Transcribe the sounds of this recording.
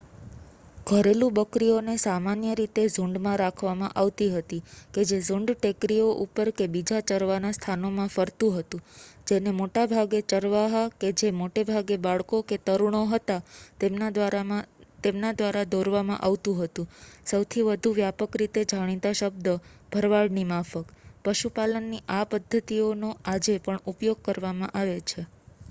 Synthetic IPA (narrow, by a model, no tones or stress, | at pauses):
ɡʱəɾelũbəkɾionesamanjəɾit̪ezũɳɖmãɾakʰʋamãʔaʋt̪iɦət̪iked͡ʒezʊ̃ɳɖʈekɾioʔupəɾkebid͡ʒat͡ʃəɾʋanast̪ʰanomãfəɾt̪ũɦət̪ũd͡ʒenemoʈabʱaɡet͡ʃəɾʋaɦaked͡ʒemoʈebʱaɡebaɭkoket̪əɾuɳ̃oɦət̪at̪ema | t̪emnad̪ʋaɾad̪ʱoɾʋamã̰ʔaʋt̪ũɦət̪ũsəwt̪ʰiʋəd̪ʱuʋjapəkɾit̪ed͡ʒʱaɽ̃it̪aʃəb̚d̪əb̥ʱəɾʋaɽnimafəkpəʃupalənːiʔapəd̪ʱːət̪ionoad͡ʒepəɳupjoɡ̚kəɾʋamã̰ʔaʋet͡ʃʰe